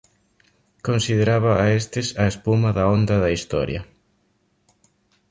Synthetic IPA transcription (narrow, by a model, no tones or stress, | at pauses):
konsiðeɾaβaːest̪ɪsɐespumɐðɐond̪ɐðɐist̪ɔ̰ɾjɐ̰